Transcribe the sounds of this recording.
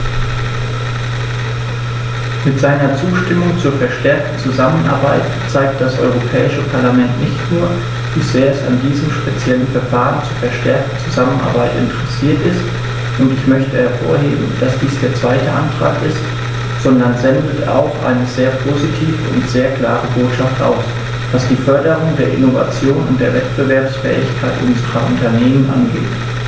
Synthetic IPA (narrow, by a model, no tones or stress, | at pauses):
mɪtz̥aɪnɐt͡suːʃtɪmʊŋt͡suːɐfɛɐʃtɛɐk̚tn̩t͡suzamənʔa̰ɐba̰ɪt | t͡saɪk̚t̚d̥asʔɔ̰ʏʁ̞opʰɛːɪʃəpʰaɐlamɛntnɪçtnuːɐ | v̥iːz̥eːɐɛsa̰ndiːzəmʃpet͡sjɛlənfɛɐfaːʁənt͡suːɐfɛɐʃtɛɐk̚tn̩t͡suzamənʔa̰ɐbaɪtʔɪ̰ntəʁɛsiːɐtɪst | ʔʊntɪçmœçtəhɛɐfo̰ːɐheːbm̩d̥asd̥iːsd̥eːɐt͡sv̥aɪtəʔantʁ̥a̰ːkɪst | z̥ɔndɐnzɛndəta̰ʊxʔa̰ɪnəzeːɐpʰozitʰiːvə̰ʊ̰ntz̥eːɐkl̥a̰ːʁəboːtʃaftʔa̰ʊs | d̥asd̥iːfœɐdəʁʊŋdeːɐʔɪ̰nova̰t͡sjoːnʊ̰ntd̥eːɐvɛt̚b̥əvɛɐpsfɛ̰ːɪ̰çkʰaɪtʔʊnzəʁɐ̰ʔʊ̰ntɐneːmənʔa̰nɡḛːt